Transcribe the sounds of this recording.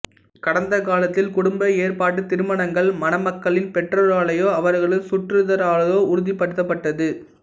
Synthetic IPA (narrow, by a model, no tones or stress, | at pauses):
kɐɽɐnd̪ɐkaːlɐt̪ːɪlkʊɽʊmbɐeːɾpaːʈːɯt̪ɪɾɯmɐɳɐŋɡɐɭmɐnɐmɐkːɐɭɪnpɛʈrɐɾaːɭɐjoːɐʋɐɾɣɐɭɯsʊʈrɯðɐɾaːɭɐjoːʊɾʊðɪpːɐɽɯt̪ːɐp̬ːɐʈːɐðɯ